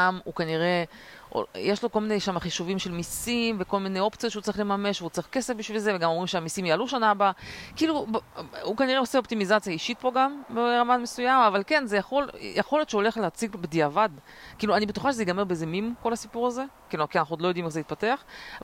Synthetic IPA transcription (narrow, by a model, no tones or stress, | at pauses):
mukaniʁe̞ʔo̰jeʃlo̞kolmineʃamaχiʃuvimʃe̞lmisimve̞ko̞lmine̞jo̞pt͡sijot̪ʃeut͡saʁiχle̞mame̞ʃveut͡saʁiχke̞sefbiʃvilze̞veɡamomʁimʃeamisimjaːluʃanabakiiːlu | ukaniʁeo̞seopt̪imizat͡sjaiʃit̪̚po̞ɡambeʁamanmesujamavalke̞nzejaχo̞ljʔeχo̞ljot̪ʃeo̞le̞χleat͡siɡbed̪iavad̪ | kiːluanibet̪uχaʃezeɡameʁbezemimko̞lhasipuʁaze̞kilukianaχnuodlojo̞d̪ime̞χzeit̪̚pateaχ